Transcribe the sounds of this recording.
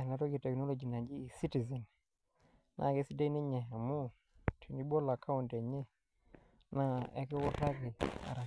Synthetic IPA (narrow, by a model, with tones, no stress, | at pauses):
na˨ɾo˦ɡi˨tɛ˨kno˦lo˨d͡ʒi˨na˨ɲd͡ʒiː˦˨si˦ti˨zɛ˨n | nʔa̰˨˦˨ke˦si˦de˦ni˦ɲe˨ɦa˨mu˦ | tʰi˨ni˦bo˦la˨kʰa˦u˨nte˨ɲe˦ | na˦ɛ̰˦kɛ˦wɔ˦ta˦ke˨a̰˨ɾa˨